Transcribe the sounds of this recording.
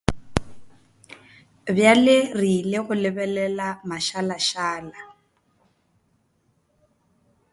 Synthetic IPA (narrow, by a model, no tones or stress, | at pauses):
bjalɪrileɣʊlɪbɛlɛlamaʃalaʃaːla